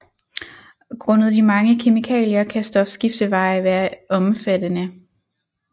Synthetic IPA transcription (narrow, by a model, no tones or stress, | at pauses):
ɡ̥ʁɔ̽nð̩ˠd̥imɑ̈ŋəkʰe̝mikʰɛ̰ːljɐkʰæsd̥ɒ̽fsɡ̥ifd̥əʋɑ̈ɪʋæːɐʔɒ̽mfæd̥ənə